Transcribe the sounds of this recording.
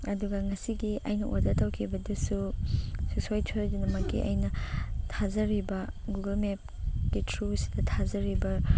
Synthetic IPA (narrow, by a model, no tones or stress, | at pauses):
ɐduɡɐŋɐsiɡiɐjnɐʔodɐtɐwkʰibɐdusususojtʰojdunɐmɐkːḭʔɐ̰jnɐtʰazɐɾibɐ | ɡuɡɐlmep̚ɡitʰɾusi̥dɐtʰazɐɾibɐ